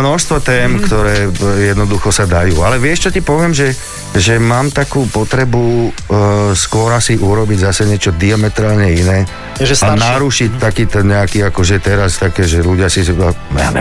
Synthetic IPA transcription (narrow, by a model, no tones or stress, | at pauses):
nɔʃst̪ʋɔt̪ɛːmkt̪ɔɾɛːjɛd̪nɔd̪uxɔsad̪ajuːalɛʋɪɛʃt͡ʃɔtipɔʋɪɛmʒɛ | ʒɛmaːmt̪akuːpɔt̪ɾɛbu | skʊɔɾasiʔuɾɔbiɟzasɛɲɪɛt͡ʃɔd̪iamɛt̪ɾaːlɲɛinɛː | ʒɛanaɾuʃict̪akiːt̪ɛnɲɛakiːakɔʒɛt̪ɛɾast̪akɛːʒɛluɟɪasizmɛ̰nɛ̰